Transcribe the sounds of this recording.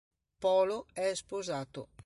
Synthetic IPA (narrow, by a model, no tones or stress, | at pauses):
pɔːloɛspozaːt̪o̰